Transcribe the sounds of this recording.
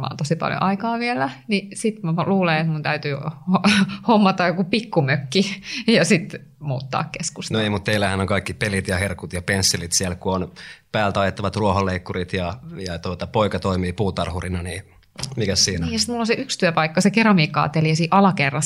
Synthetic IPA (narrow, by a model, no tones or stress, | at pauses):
mɑ̰ːont̪osipɑ̰ljo̰ʔɑikɑːʋielænisit̪mluːleet̪munt̪æyt̪yohomːɑt̪ɑjjokupikːumøkːijɑsit̪ | muːt̪ːɑ̰ːkkeskusnoeimut̪t̪eilːæhænoŋkɑikːipelit̪jɑherkut̪jɑpensːilit̪siælkuonpæːlt̪ɑjet̪ːɑʋɑt̪ruoholːeikːurit̪jɑjɑt̪uot̪ɑpoikɑt̪oimiːpuːt̪ɑrhurinɑniː | mikæssiːniːjɑsi̥t̪mulːonseʔykst̪yøpɑikːɑsekerɑmiːkːˑɑ̰ːt̪ːeliɑsiːʔɑlɑkerːɑ